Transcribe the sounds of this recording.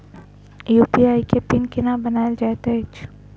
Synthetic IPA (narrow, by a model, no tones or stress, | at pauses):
juːpiaːikepɪnkɪnabɐnaːeld͡ʒaːt̪et͡ʃ